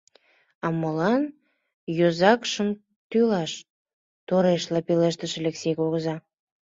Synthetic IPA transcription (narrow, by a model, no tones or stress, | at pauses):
ɑməlɑn | jozɑkʃəm | t̪ylɑʃ | t̪oɾeʃlɑpeleʃt̪əʃĕleksʲejkoɣəzɑ